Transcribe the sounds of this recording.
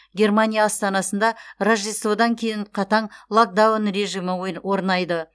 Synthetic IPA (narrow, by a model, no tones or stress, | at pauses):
ɡʲe̞rmanʲijaːst̪ɑnɑsənd̪ɑrʒisod̪ɑŋkʲʰe̞jɪnqʰɑt̪ɑɴlˠok̚d̪awnre̞ʒiməwo̞ɾnɑjd̪ə